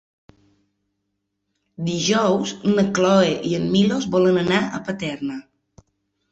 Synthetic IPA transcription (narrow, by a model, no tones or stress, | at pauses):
d̪iʒɔwznəklɔeʔiəmːilozβɔlənənaʔə̰pət̪ɛɾnə